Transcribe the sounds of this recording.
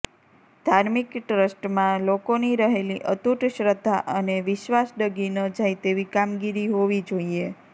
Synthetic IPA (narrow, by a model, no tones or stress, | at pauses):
d̪ʱaɾmikʈɾəsʈmãlokoniɾəɦeliʔət̪uʈʃɾəd̪ʱːaʔəneʋɪʃʋasɖəɡinəd͡ʒajt̪eʋikamɡiɾiɦoʋid͡ʒoie